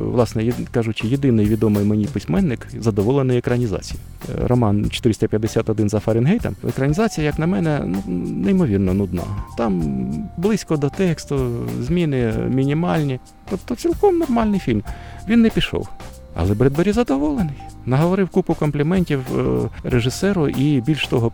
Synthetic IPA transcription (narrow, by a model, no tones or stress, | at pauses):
ʋlˠɑsnɛjkɑʒʊt͡ʃɪjed̪ɪnɪjʋʲid̪ɔmɪjmenʲipɪsʲmɛnːɪkzɐd̪ɔʋɔlˠenɪjekɾɐnʲizɑ̰t͡sʲiji | ɾʔɔmɑnt͡ʃɔ̥t̪ɪɾɪsʲt̪ɐpʲjɐd̪ːesʲat̪ɔd̪ɪnzɐfɐɾʲɪnɦɛjt̪ɐ̰mḛkɾɐnʲizɑt͡sʲijɐjɐknɐmɛnɛnunɛimɔʋʲirnɔnʊd̪nɑ̰t̪ɑmblˠɪsʲkɔd̪ɔt̪ɛkst̪ʊzʲmʲinɪmʲinʲimɑlʲnʲi | t̪ɔpt̪ɔt͡sʲilˠkɔmnɔrmɑlʲnɪjfʲilʲm | ʋʲinːɛpʲiʃɔ̰w | ɐ̰lˠɛbɾɛd̪bɐɾʲizɐd̪ɔʋɔlˠenɪjnɐɦɔʋɔɾɪwkupʊkɔmplʲɪmɛnʲtʲiwɾeʒɪsɛɾʊʔibʲilʲʃt̪ɔɦɔ